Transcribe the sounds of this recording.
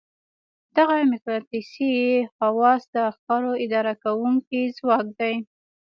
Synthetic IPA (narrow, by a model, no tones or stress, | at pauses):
d̪̥aɣamɪkɾɑt̪isiehawɑsd̪əaxk̪ɑɾoɪd̪ɑɾakawuŋkizwɑk̚d̪aj